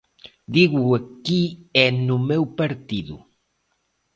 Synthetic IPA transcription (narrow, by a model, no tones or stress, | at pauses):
d̪iɣuɐkiɛnʊmewpɐɾt̪iðʊ̰